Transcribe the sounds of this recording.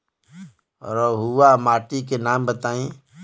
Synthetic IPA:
ɔ̰ɾɔɦuwamaːʈikenaːmbət̪aːĩː

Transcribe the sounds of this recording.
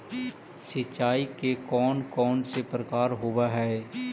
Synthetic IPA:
sɪt͡ʃt͡ʃːaːikekɔːnkɔːnsepɾəkaːɾɦoːʋaɦɛː

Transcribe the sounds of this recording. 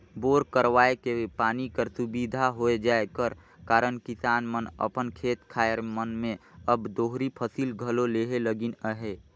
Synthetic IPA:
boːɾkəɾwaːekepaːnikəɾsubid̪ʱaɦoed͡ʒaekəɾ | kaːɾənkisaːnmənə̰pənkʰeːt̪kʰaːeɾmənmẽəbd̪oːɦɾipʰəsilɡʱəloleɦeləɡinəɦe

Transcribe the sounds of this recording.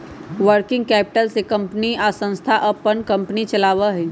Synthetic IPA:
ʋəɾkɪ̃ŋɡ̚kɛːpɪ̥ʈəlsekə̃mpniasə̃ñst̪ʰaʔəpːənkə̃mpnit͡ʃəlaːʋaɦɛ

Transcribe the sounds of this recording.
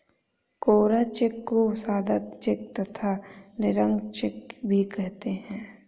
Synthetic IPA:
koːɾat͡ʃɪkːosaːd̪at̪t͡ʃɪkt̪ɐt̪ʰanɪɾə̃ŋɡt͡ʃɪkbʱikɛɦt̪eɦɛ̃ː

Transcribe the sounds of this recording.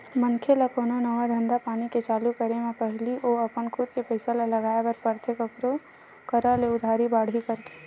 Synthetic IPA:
mənkʰeləkoːnonəʋad̪ʱə̃nd̪apaːniket͡ʃaːlukəɾemẽpɛɦliʔoːɐpənkʰʊd̪kepɛɪsalalɐɡaːebəɾpəɾt̪ʰekəkɾo | kəɾəleʊd̪ʱaːɾibaːɽ̤ɦikəɾke̥

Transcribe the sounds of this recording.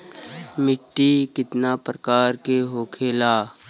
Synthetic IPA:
mɪʈːikɪt̪napɾəkaːɾkeɦoːkʰeːlaː

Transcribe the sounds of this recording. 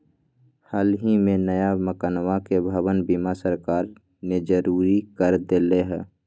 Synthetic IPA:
haːlɦimẽnəjaməkanwakebʱəwənbimasəɾkaːɾ | ned͡ʒəɾuːɾikəɾd̪eleɦɛ̃ː

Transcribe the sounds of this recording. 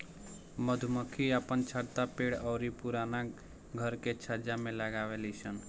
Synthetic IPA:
məd̪ʱuməkʰiapənt͡ʃʰəɽt̪apeɽɔʊɾipuɾana | ɡʱəɾket͡ʃʰəd͡ʒamẽləɡaʋelisən

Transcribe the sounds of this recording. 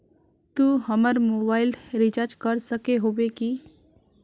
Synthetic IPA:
t̪uːɦəməɾmoːbaːɪlɾit͡ʃaɾd͡ʒkəɾsəkeɦoːbeki

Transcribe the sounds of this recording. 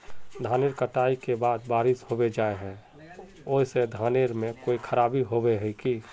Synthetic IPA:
d̪ʱaːneɾkəʈaːikebaːd̪̚baːɾɪsɦobed͡ʒaːeɦɛ̃ | oːised̪ʱaːneɾmẽkoːikʰəɾaːbiɦobeɦɛki

